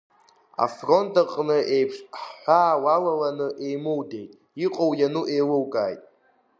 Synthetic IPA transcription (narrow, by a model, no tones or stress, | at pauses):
a̰fro̞ntʰʼaqʼnɨʔe̞jpʰʂħħʷaːwalalanɨʔe̞jmɨwdejtʼ | iqʼowjanuʔejlɨwkʼaːjtʼ